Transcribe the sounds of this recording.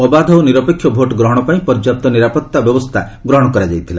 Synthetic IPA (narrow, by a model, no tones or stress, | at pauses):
ɔbad̪ʱɔwniɾɔpekʰːjɔbʱoʈɡɾɔɦɔɽ̃ɔpaĩpɔɾd͡ʒap̚t̪ɔniɾapɔt̪ːabjɔbɔst̪ʰa | ɡɾɔɦɔɽ̃ɔkɔɾad͡ʒajt̪ʰila